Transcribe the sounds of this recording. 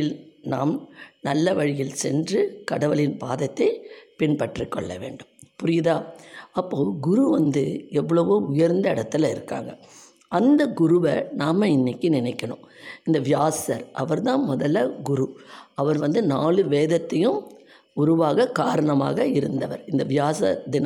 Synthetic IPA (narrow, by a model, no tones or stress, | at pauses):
ɪlna̰ːmnɐlːɐʋɐɻɪjɪlsɛ̰ndrɯkɐɽɐʋɐlɪnbaːðɐt̪ːɐɪpɪnpɐʈrikːɔ̰ɭːɐ̰ʋḛːɳɖɯmpʊɾɪjɪðaːɐpːoːɡʊɾuʋɐnd̪ɯɛʋːɐɭɐʋoːʊjɐɾnd̪ɐɪɽɐt̪ːɪlɐɪ̰ɾɯkːa̰ːŋɡɐ | ɐnd̪ɐɡʊɾʊʋɐnaːmɐɪnːɪkːɯnɪnɐɪkːɐɳʊ̰̃mɪnd̪ɐʋɪjaːsɐɾʔɐʋɐɾt̪ãːmɔðɐlːɐɡʊɾuɐʋɐɾʋɐnd̪ɯnaːɭɯʋeːðɐt̪ːɐjɯm | ʊɾʊʋaːɣɐkaːɾɐɳɐma̰ːɣɐɪɾɯnd̪ɐʋɐɾɪnd̪ɐʋjaːsɐ̰d̪ɪn